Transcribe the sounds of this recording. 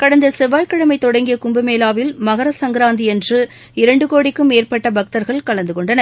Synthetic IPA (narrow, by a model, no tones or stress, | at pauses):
kɐɽɐnd̪ɐsɛʋaːjkːɐɽɐmɐɪt̪ːɔɽɐŋɡɪjɐkʊmbɐmeːlaːʋɪlmɐɣɐɾɐsɐŋɡɪɾaːnd̪iɛndrɯ | ɪɾɐɳɖɯkoːɽɪkːɯmeːrpɐʈːɐbɐk̚t̪ɐɾɣɐɭkɐɭɐnd̪ɯkɔɳɖɐnɐ